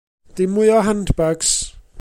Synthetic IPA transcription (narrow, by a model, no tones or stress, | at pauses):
ð̥ɪmʊjɔɦandbaɡs